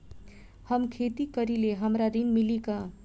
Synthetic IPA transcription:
həmkʰet̪ikəɾileɦəmɾad̪inmilikə̃

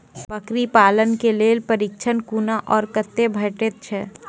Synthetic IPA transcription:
ʋəkɾipaːlənkeleːlpəɾɪk̚t͡ʃʰənkuːnaʔɔːɾkət̪ːebʱɐʈet̪̚t͡ʃʰɛː

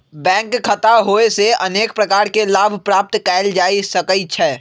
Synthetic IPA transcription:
bɛ̃ːŋkʰːət̪aɦoːeseɐneːk̚pɾəkaːɾkelaːbʱpɾaːp̚t̪kɛːɪld͡ʒaːisɐkəit͡ʃʰɛː

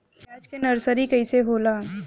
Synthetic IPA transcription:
mɛːt͡ʃkenɐɾsəɾikɐiseɦoːlaː

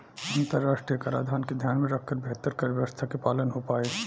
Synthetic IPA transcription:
ɐ̃nt̪əɾːaːʃʈɾijəkaɾa̰ːd̪ʱaːnked̪ʱjaːnmẽɾɐkʰkəɾbʱeːt̪əɾkəɾʋjəʋəst̪ʰakepaːlənɦopaːe

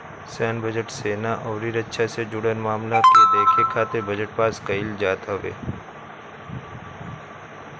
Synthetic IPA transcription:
sɛːnbəd͡ʒəʈseːnaʔɔːɾiɾɐtːʃʰased͡ʒʊɽənmaːmlak̪ed̪eːkʰekʰaːt̪ebəd͡ʒəʈ̚paːskəild͡ʒaːt̪aʋḛː

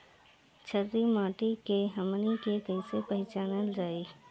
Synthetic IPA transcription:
t͡ʃʰəɾɾimaːʈikeɦəmənikekəɪsepəɦɪt͡ʃaːnəld͡ʒaːiː

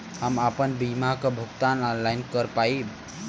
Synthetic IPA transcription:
həmapənbimakəbʱukt̪anɔnlajnkəɾpaib

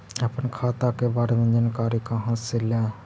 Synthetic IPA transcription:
əpənkʰaːt̪akebaːɾemẽd͡ʒaːnkaːɾikãɦãselaː

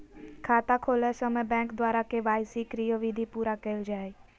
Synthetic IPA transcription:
kʰat̪akʰolɛsəməjbɛ̃ŋkd̪ʋaɾakeʋajsikɾijəʋid̪ʱipuɾakəild͡ʒaj

